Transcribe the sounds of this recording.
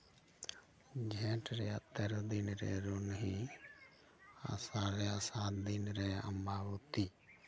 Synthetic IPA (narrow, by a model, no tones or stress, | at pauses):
d͡ʒʱẽːʈɾeat̪əɾd̪inɾḛːɾonɦi | a̰saːɾeasaːt̪d̪inɾeːə̰mbaːʋot̪iː